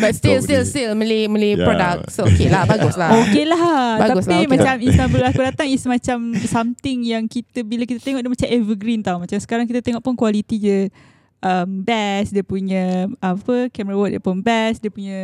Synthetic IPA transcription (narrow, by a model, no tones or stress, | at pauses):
batst̪ilstilstilməliməlipɾodak̚sookelahbaɡʊslahokelahtbaaɡuslimmat͡ʃamist̪abəlakudat̪aŋisəmat͡ʃamsamt̪ɪŋjaŋkit̪əbilakit̪at̪eŋɔʔdəmat͡ʃamɛvəɡɾint̪aumat͡ʃamsə̥kaɾaŋk̬it̪at̪eŋɔʔpʊnkwalit̪id͡ʒə | ʔəmbɛsdiəpuɲə̃ːpəkɛmɾawɔt̪̚diəpunbɛsdiəpuɲə̃